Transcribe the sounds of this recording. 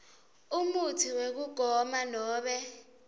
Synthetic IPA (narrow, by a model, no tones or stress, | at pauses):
umutʰiwek̬uɡ̥ʱɔmanɔːɓɛ